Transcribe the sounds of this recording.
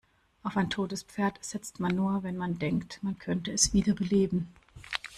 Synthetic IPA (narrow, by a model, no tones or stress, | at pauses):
ʔaʊfaɪntʰoːtəspp͡feːɐtz̥ɪt͡stmanːuːɐvɛnmandɛŋktmankʰœntəɛsv̥iːdɐbəleːbm̩